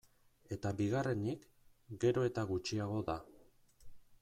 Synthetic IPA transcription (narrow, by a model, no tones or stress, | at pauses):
e̞t̪abiɣare̞nik | ɡe̞ɾo̞e̞t̪aɣut͡ʃiaɣ̞o̞ða